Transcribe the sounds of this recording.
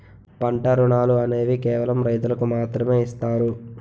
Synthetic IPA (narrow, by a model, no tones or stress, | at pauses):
pɐɳʈɐɾuɳaːluɐne̞ːʋikɛːʋɐlɐmɾɐjt̪ulɐkumaːt̪ɾɐme̞ːist̪aːɾu